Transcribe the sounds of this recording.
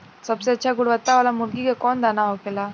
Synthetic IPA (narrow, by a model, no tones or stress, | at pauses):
səbsetːt͡ʃʰjaɡuɽʋət̪ːaʋalamulɡiɡekond̪anaɦokela